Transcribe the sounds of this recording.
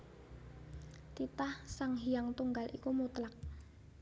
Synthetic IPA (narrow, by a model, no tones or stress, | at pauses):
t̪it̪ahsaŋɦijaŋt̪uŋɡalikumut̪lak̚